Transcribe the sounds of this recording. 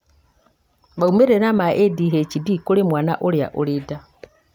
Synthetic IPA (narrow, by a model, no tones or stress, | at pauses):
βaumeɾenamaʔediɦet͡ʃidikolemwaːna̰ʔolja̰ʔolida